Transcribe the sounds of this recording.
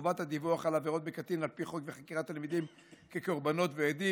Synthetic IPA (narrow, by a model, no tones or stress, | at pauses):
vat̪had̪ivuaχalaveʁo̞t̪̚bekat̪inalpiχo̞kveχakiʁat̪ːalmid̪im | keko̞ʁbano̞tveed̪i